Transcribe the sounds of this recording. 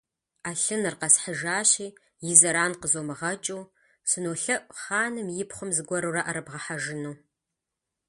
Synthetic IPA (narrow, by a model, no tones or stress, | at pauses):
aːɬɨnɨrqɐsħəʒaːɕiː | jɪzɐɾaːnqəzoːmɨʁɐt͡ʃʼuː | sɨnoːɬɐʔʷʼχaːnɨmjɪpχʷʊmzɨɡʷɔɾuraʔɐɾɨbʁɐħaʒɪnuː